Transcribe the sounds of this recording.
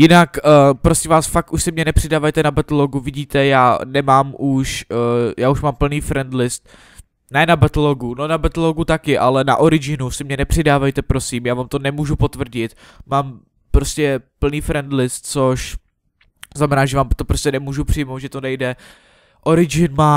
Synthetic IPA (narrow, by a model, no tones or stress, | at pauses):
jɪnakːpɾosimvaːsfak̚t̪uʃsɪmɲɛnɛpr̝̥ɪdaːvajt̪ɛnabat̪aloɡuvɪɟiːt̪ɛjaːnɛmaːmʔuʃjaːuʃmaːmpl̩niːfɾɛnd̪lɪst̪̚ | nɛːnabat̪aloɡuno̞nabat̪aloɡut̪akɪʔalɛna̰ʔoɾɪd͡ʒɪnusɪmɲɛnɛpr̝̥ɪdaːvajt̪ɛpɾo̞siːmjaːvaːmt̪o̞nɛmuːʒupot̪vr̩ɟɪt̪ | maːm | pɾo̞scɛpl̩niːfɾɛnd̪lɪst̪̚t͡soʃ | znamɛnaːʒɛvaːmt̪opɾoscʲɛnɛmuːʒupr̥ɪjmowt̪ʒɛt̪onɛjdɛ | ʔo̞ɾɪd͡ʒɪnmaː